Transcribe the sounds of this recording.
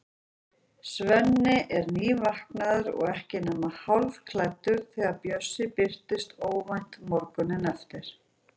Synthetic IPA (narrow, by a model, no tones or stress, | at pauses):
svɛnːɪʔɛɾniːvahknaðʏɾɔ̰ɣɛhcɪnɛːmahawlv̥kʰlajt̪ːʏɾ̥θɛːɣaɾpjœsːɪpɪr̥t̪ɪst̪oːwvajn̥t̪mɔɾkʏnɪnɛft̪ɪɾ̥